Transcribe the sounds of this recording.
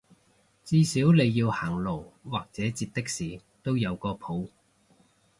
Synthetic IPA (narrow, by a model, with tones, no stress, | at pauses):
t͡siː˥siː˨˥wle˨˧jːiː˧whaː˨˩ŋlo˨˩wwaː˨˩k̚t͡sɛː˨˥t͡siː˧t̚t̪ɪ˥k̚siː˨˩ | t̪o˥wjɐ˨˧wkɔː˧pʰo˨˥w